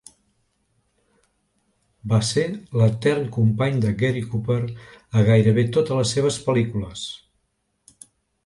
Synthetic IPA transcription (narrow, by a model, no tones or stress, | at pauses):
baselət̪ɛrŋkumpaɲd̪əɡeɾikupəɾəɣajɾəβet̪ot̪ələseβ̞əspəlikuləs